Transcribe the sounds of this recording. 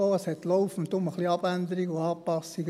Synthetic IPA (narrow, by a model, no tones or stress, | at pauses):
oːəshɛt̪lɔʊfʊn̩t̪ʊməχliɑb̥ænd̪əɾiɡʊɑːpɑsiɡ